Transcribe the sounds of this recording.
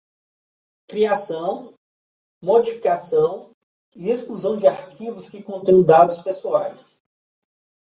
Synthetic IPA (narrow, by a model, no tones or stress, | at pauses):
kɾiasɐ̃w̃ | mod͡ʒifikasɐ̃w̃ | ieskluzɐ̃w̃d͡ʒɪaɾkʰivʊskɪkõt̪ẽj̃d̪ad̪ʊspesuajs